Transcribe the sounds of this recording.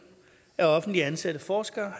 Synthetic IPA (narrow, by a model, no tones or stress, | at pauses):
æɐɒ̽fn̩d̥liænsæd̥əfɒːsɡ̥ɐːhɑ